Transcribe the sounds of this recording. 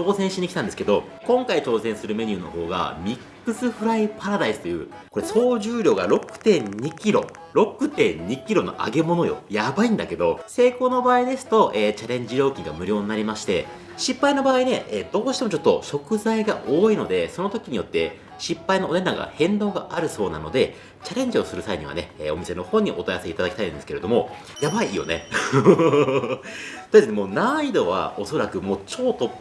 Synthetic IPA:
o̞ːsẽɕiɲ̟ikʲit̪ãnd̪esɨ̥ke̞d̪o̞ | kõ̞ŋkait͡ɕo̞ːsẽ̞ɰ̃sɨɾɯ̟me̞ɲ̟ʲɨːno̞̰ho̞̰ːɡa̰mʲikː | ɯ̟sɨɸɯ̟ɾaipaɾad̪aisɨ̥t̪o̞jɯ̟̰ː | ko̞ɾe̞so̞ːʑɨːɾʲo̞ːɡa̰ɾo̞kɯ̟̥t̪ẽ̞ɲɲikʲiɾo̞̰ | ɾo̞kɯ̟t̪ẽ̞ɲɲikʲiɾo̞no̞̰ʔa̰ɡe̞mo̞no̞jo̞̰jabaĩnd̪ake̞d̪o̞se̞ːko̞ːno̞baːid̪e̞sɨ̥t̪o̞ʔeːt͡ɕaɾẽ̞ɲ̟d͡ʑiɾo̞ːkʲĩŋɡa̰mɯ̟ɾʲo̞ːɲnaɾʲimaɕi̥t̪e̞̰ | ɕipːaino̞baːine̞ʔeːd̪̥o̞ːɕi̥t̪emo̞t͡ɕo̞t̪ːo̞ɕo̞kɯ̟zaiɡaʔo̞ːino̞d̪e̞so̞no̞t̪o̞kʲiɲ̟ijo̞t̪ːe̞ | ɕipːaino̞one̞nːaɡa̰hẽ̞nd̪o̞ːɡaʔaɾɯ̟so̞ːna̰no̞d̪e̞ | t͡ɕaɾẽ̞ɲ̟d͡ʑio̞sɨɾɯ̟saiɲ̟iβa̰ne̞̰ḛːo̞mise̞no̞hõ̞ɲ̟ːiʔo̞t̪ojaaseit̪ad̪aki̥t̪aĩnnd̪eɨ̥kee̞d̪o̞mo̞ | jabaiiːjo̞̰ne̞̰ | t̪inemo̞ːnaid̪o̞βa̰o̞so̞ɾakɯ̟moːt͡ɕo̞ːt̪ːo

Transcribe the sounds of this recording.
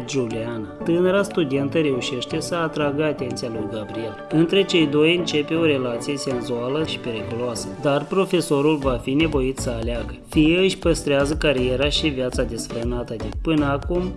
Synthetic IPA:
d͡ʒulianat̪ɨnəɾast̪ud̪e̞nt̪əɾe̞uʃe̞ʃt̪e̞səat̪ɾaɡəat̪e̞nt̪sijalujɡabɾie̞lɨnt̪ɾe̞t͡ʃe̞jd̪o̞jɨnt͡ʃe̞pe̞o̞ɾe̞lat̪sije̞se̞nzoaləʃi̥pe̞ɾikuloasəd̪arpɾo̞fe̞so̞ɾulvafine̞bo̞jit̪səaleaɡəfijeɨʃʲpəst̪ɾeazəkaɾije̞ɾaʃivjat̪sad̪e̞sfɾənat̪əd̪epɨnəakum

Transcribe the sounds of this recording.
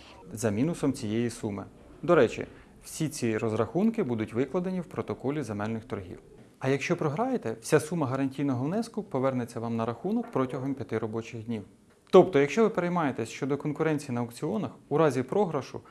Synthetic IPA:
zɐmʲinʊsɔmt͡sʲijejisumɪ̰ | d̪ɔɾɛt͡ʃʲḭ | w̥sʲit͡sʲiɾɔzɾɐxunkɪbud̪ʊtʲʋɪklˠɐd̪enʲiwpɾɔt̪ɔkɔlʲizemɛlʲnɪxt̪ɔrɦʲḭw | ɐjɐkʃt͡ʃɔpɾɔɦɾɑjet̪ɛwsʲasumːɐɦɐɾɐnʲtʲijnɔɦɔwnɛskʊpɔʋɛrnet͡sʲːɐʋɑmnɐɾɐxunɔkpɾɔtʲɐɦɔmpʲjɐt̪ɪɾɔbɔt͡ʃɪxdʲnʲiw | t̪ɔp̚t̪ɔjɐkʃt͡ʃɔʋɪpeɾejmɑjet̪ɛsʲʃt͡ʃɔd̪ɔkɔnkʊɾɛnʲt͡sʲijinɐɐkt͡sʲiɔnɐxʊɾɑzʲipɾɔɦɾɐʃʊ̰

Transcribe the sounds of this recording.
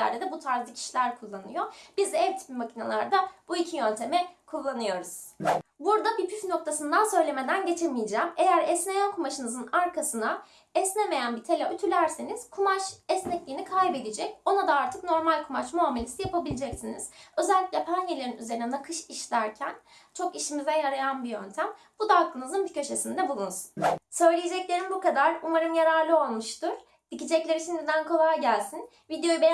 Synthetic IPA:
æ̰ɾd̪ed̪ɛbut̪ʰaɾzˠɯcʰi̥ʃilʲæɾkʰulˠːanɯ̰jo̞b̥izɛvt̪ʰi̥pimacʰinalˠaɾd̪abuicʰijønt̪ʰe̞mɛkʰulˠːanɯjo̞ɾuz̥buɾd̪abipʰyfno̞k̚t̪ʰasɯnd̪ansø̞jlʲe̞me̞d̪ænɟe̞t͡ʃʰemijid͡ʒæːmejæɾɛsne̞jænkʰumaʃɯnɯzɯnaɾkʰasɯna | ɛsneme̞jænbit̪ʰe̞lʲayt̪ʰylʲæɾse̞niz̥kʰumaʃɛsnɛclʲiːinikʰajbe̞d̪id͡ʒɛco̞nad̪aaɾt̪ʰɯkno̞ɾmalʲkʰumat͡ʃmoamelʲisijapʰabilʲid͡ʒɛcsiniz̥ø̞zælʲːicʲlʲɛpʰanjelʲeɾinyze̞ɾinɛnakʰɯʃiʃlʲæɾcʰænt͡ʃʰo̞kiʃimizɛjaɾajanbijø̞nt̪ʰæm | b̥ud̪aaklˠɯnɯzɯnbicʰø̞ʃesind̪ɛbulˠunsu̥nsø̞jlʲijed͡ʒɛclʲe̞ɾinbukad̪aɾumaɾɯmjaɾaɾlˠɯo̞lˠmɯʃt̪ʰɯɾ̥ | d̪̥icid͡ʒɛclʲe̞ɾit͡ʃʰind̪id̪ænkʰo̞lˠajɟælʲsin | vid̪jo̞jube

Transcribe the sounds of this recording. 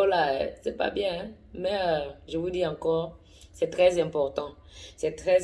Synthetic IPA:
olaɛsɛpa̰bjɛ̃ | mɛøʒəvudiɑ̃kɔːʁ | sɛt̪χɛzɛ̃pɔʁt̪ɑ̃sɛt̪χɛ

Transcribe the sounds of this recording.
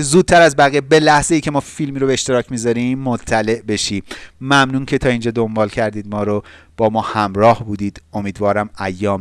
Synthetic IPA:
zuːd̪̚t̪ʰæɾæzbæɣiːebe̞læhze̞jiːcʰe̞mɒːfilmiːɾobeeʃt̪e̞ɾɒːcʰmiːzɒɾimːot̪ʰːæle̞ʔbe̞ʃiːmæmnuːncʰe̞t̪ʰɒːind͡ʒɒːd̪o̞mbɒːlcʰæɾd̪iːd̪̚mɒːɾob̥ɒːmɒːhæmɾɒːhbuːd̪iːd̪̥o̞miːd̪vɒːɾæmæjːɒːm

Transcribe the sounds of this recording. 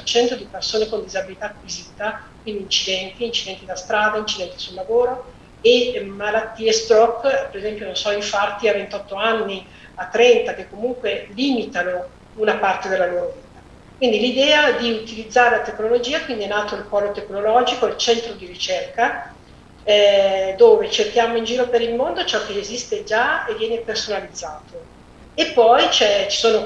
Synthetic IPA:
t͡ʃɛnt̪od̪ipersoːnekond̪izabilit̪aːkːwiziːt̪akwind̪iːnt͡ʃid̪ɛnt̪iːnt͡ʃid̪ɛnt̪id̪ast̪ɾaːd̪aint͡ʃid̪ɛnt̪i̥sulːavoːɾo | emalat̪ːiːest̪ɔkːpeɾezɛmpjononsɔiɱfart̪iavent̪ɔt̪ːoanːi | at̪ːɾɛnt̪ak̟ekːomuŋkweliːmit̪ano | unapart̪ed̪elːaloːɾoviːt̪a | kwind̪ilid̪ɛːad̪iut̪ilid̪zːaːɾelat̪ekːnolod͡ʒiːakwind̪iɛnːaːt̪oilpɔːlot̪eknolɔd͡ʒikoilt͡ʃɛnt̪ɾod̪iɾit͡ʃerka | ɛd̪oːvet͡ʃerkjaːmoind͡ʒiːɾopeɾilmond̪ot͡ʃɔkːeːzist̪ed͡ʒaevːjɛːnepersonalid̪zːaːt̪o | epːɔjt͡ʃɛt͡ʃi̥soːno

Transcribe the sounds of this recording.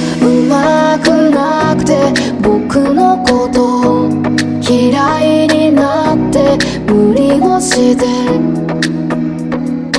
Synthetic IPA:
ɯmakɯna | kɯ̟̥t̪e̞ | bokɯno̞kot̪o | kʲiɾaiɲinat̪ːe̞ | mɯ̟ɾʲinoɕid̪e

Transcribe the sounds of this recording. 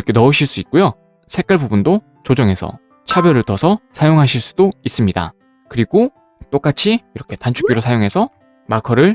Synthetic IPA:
iɾʌkʰe̞nʌɯɕʰiɭs͈uik̚k͈ojo | sʰe̞k͈aɭbubundo | t͡ɕod͡ʑʌŋɦe̞sʰʌ̰ | t͡ɕʰabjʌɾɯɭtʌsʰʌsʰajoŋɦaɕʰiɭs͈u̥dois͈ɯmɲida̰ | kɯɾiɡo | t͈ok͈at͡ɕʰiiɾʌkʰe̞tant͡ɕʰu̥k͈iɾosʰajoŋɦe̞sʰʌ | makʰʌɾɯɭ

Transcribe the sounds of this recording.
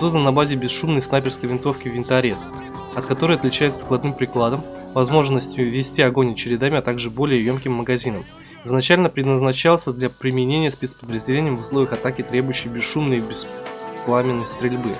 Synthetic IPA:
t̪ot̪ənɐbazʲɪbʲɪsʂumnəjsnapʲɪrskəjvʲɪnt̪o̞fkʲɪvʲɪnt̪ɐɾʲes | ɐt̪kɐt̪o̞ɾɨjɐt̪lʲɪt͡ɕæjʊt̪sə̥klˠɐd̪nɨmpɾʲɪklˠad̪əm | vɐzmo̞ʐnəsʲtʲɪjʊvʲɪsʲtʲiɐɡo̞nʲɪt͡ɕɪɾʲɪd̪amʲɪɐt̪aɡʐɨbo̞lʲɪjəjo̞mkʲɪmːəɡɐzʲinəm | ɪznɐt͡ɕælʲnəpɾʲɪd̪nəznɐt͡ɕalˠsʲəd̪lʲapɾʲɪmʲɪnʲenʲɪjəsʲpʲet̪spəd̪ɾəzʲdʲɪlʲenʲɪjəmvʊslˠo̞vʲɪjəxɐt̪akʲɪt̪ɾʲe̞bʊjʉɕːɪjbʲɪsʂumnɨjbʲɪsplˠamʲɪnːəjst̪ɾʲɪlʲbɨ

